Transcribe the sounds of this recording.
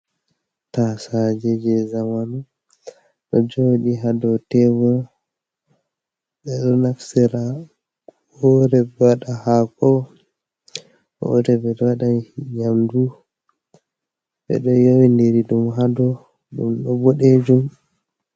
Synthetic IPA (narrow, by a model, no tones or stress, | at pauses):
tasad͡ʒɛd͡ʒɛzamanu | ɗɔd͡ʒoɗiɦadɔtɛɡɔ | ɓɛɗɔnafsɛɾa | oɾɛbɛwaɗahakɔ | ɾɛbɛɗɔwaɗaijamdu | bɛ̰ɗɔjowindeɾiɗumɦadɔ | ɗumɗɔboɗed͡ʒum